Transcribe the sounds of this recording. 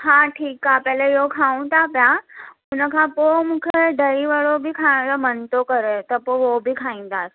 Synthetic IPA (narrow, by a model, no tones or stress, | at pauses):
hãʈʰiːkːapɛlajokʰaũt̪apja | unəkʰãpomukʰeɖəɾiʋəɭobʱiːkʰaləmənt̪okəɾet̪əpoobʱiːkʰãĩnd̪at̪